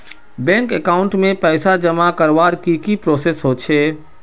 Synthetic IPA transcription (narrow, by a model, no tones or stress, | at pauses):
bɛ̃ːŋkekaːʊ̃ɳʈmẽpɛːsad͡ʒəmakəɾʋaːɾkikipɾoːsesɦot͡ʃʰeː